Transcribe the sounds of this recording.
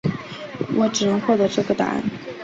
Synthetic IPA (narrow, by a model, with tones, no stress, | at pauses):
wʔɔ˧˥ʈ͡ʂɻ̩˨˩nɤ˧˥ŋxwɔ˥˩t̪ɤ˧˥ʈ͡ʂɤ˥˩ɡə˩t̪a̰˧˥˩n